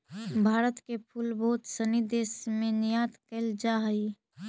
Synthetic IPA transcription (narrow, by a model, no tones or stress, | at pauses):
bʱaːɾət̪kepʰuːlboɦt̪sənid̪eːsmẽnijaːt̪kəld͡ʒaɦəi